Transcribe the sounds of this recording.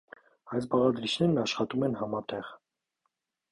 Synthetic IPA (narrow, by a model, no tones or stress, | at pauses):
ɑjsbɑʁɑd̪ɾit͡ʃʰnɛɾnɑʃχɑt̪umɛnhɑmɑt̪ɛʁ